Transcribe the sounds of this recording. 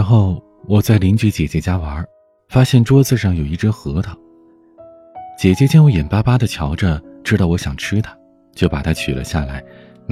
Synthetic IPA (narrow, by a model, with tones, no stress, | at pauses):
ɻa˧˥nxo˥˩ʊ | wɔ˨˩t͡sa˥˩ɪli˧˥nt͡ɕi˧˥t͡ɕjɛ˨˩t͡ɕɛ˧˥t͡ɕja˥wɐ˧˥ | fa˥ɕjɛ˥˩nʈ͡ʂwɔ˥t͡sɹ̩˥˧ʂɑ˥˩ŋjo˨˩ʊi˥˩ʈ͡ʂɤ˥xɤ˧˥t̪ʰə˨˩ | t͡ɕjɛ˨˩t͡ɕjɛ˥t͡ɕjɛ˥nwu˧˥jɛ˨˩npa˥pa˥d̪ə˨t͡ɕʰjɑ˧˥ʊʈ͡ʂə˧˩ʈ͡ʂɻ̩˥t̪ɑ˥˩ʊwɔ˧˥ɕjɑ˨˩ŋʈ͡ʂ̩ʰ˥t̪ʰḁ˥ | t͡ɕjo˥˩ʊpa˨˩t̪ʰa˥t͡ɕʰy˨˩lə̰˦ɕja̰˥˩la˧˥ɪ | n